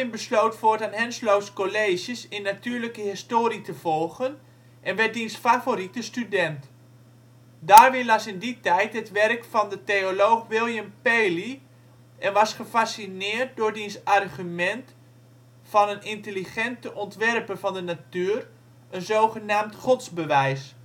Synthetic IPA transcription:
ɪnbəsloːtfoːɹtanɦɛnslowskoleːʒjəsɪnːatyːrləkəɦɪstoːɾitəv̥ɔlˠɣən | ʔɛnʋɛt̚dinsfavoɾitəstydɛnt | daːrʋɪlɑsɪnditɛjtɦətʋɛrkfɔndəteolowxʋɪlˠjəmpeːli | ʔɛnʋɑsχəfasinɪːərt̚dʊrdinsarχymɛnt | fɑnənɪntəliχɛntəʔɔntʋɛrpəvɑndənatyːr | ənzoːχənaːmtχɔtsbəʋɛjs

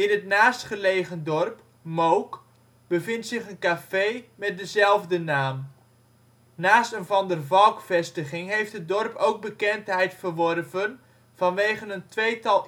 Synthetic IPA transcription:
ɪnətnaːstχəlejχəndɔrp | mowk | b̥əvɪntsɪχənkafejmɛt̚dəzɛlˠvdənaːm | naːstənvɑndərvɑlˠkfɛstəχɪŋɦejftɦət̚dɔrpowɡ̚bəkɛntɦɛjtfərʋɔrvən | v̥ɑnʋejχənəntʋejtɑlˠ

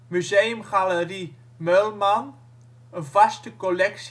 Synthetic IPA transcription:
myzejəmχaləɾi | mœlman | əvastəkɔlɛks

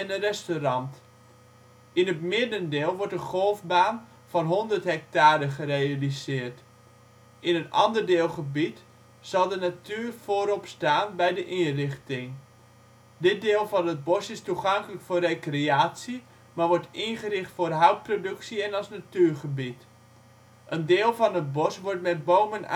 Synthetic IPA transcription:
ɛndərɛstorɑnt | ɪnətmɪdəndɪːlˠʋɔɹtəχolˠfbaːn | fɔnɦondərtɦɛk̚taːɾəχərealizɪːərt | ʔɪnənɑ̰ndərdeːlˠχəbit | sɑlˠdənatyːərfoːɾɔpstaːnbɛjdəʔinrɪχtɪŋ | dɪt̚dɪːlˠfɑnəd̚bɔsɪstuχɑŋkələkfʊːrekreaːtsi | maʋɔɹtɪnχərɪχtfʊːrɦɑwt̚prodɵksiɛnɑlˠsnatyːɹχəbit | ʔəndɪːlˠvɑnət̚bɔsʋɔɹtmɛt̚bowmən

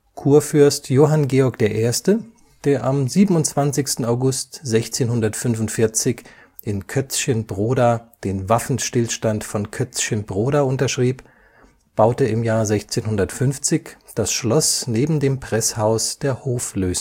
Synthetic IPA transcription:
kʰuːɐfʏɐstjoːɦanɡeːɔɐkd̥eːɐʔeːɐstə | d̥eːɐʔamziːbən̩ʊnt͡sv̥ant͡sɪçstn̩aʊɡʊstz̥ɛçt͡seːnɦʊndɐtfʏnvʊntfɪɐt͡sɪç | ʔɪnkʰœt͡sçənbʁoːdad̥eːnvafn̩ʃtɪlʃtantfɔnkʰœt͡sçənbʁoːɾaʔʊntɐʃʁ̥iːp | b̥aʊtəɪmjaːɐzɛçt͡seːnhʊndɐtfʏnft͡sɪçd̥asʃlɔsneːbm̩deːmpʁ̥ɛshaʊsd̥eːɐhoːfløːz

